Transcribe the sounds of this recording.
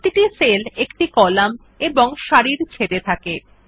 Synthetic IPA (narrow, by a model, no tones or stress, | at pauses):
t̪iʈiselekʈikɔlam | eboŋʃaɾiɾt͡ɕʰeɾet̪ʰake